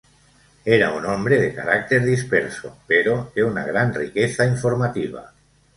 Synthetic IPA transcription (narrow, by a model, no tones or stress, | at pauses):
eɾa̰unõmbɾeðeka̰ɾak̚t̪eɾðispeɾso̰peɾodeuna̰ɣ̞ɾanrikeθaiɱfoɾmat̪iβ̞a̰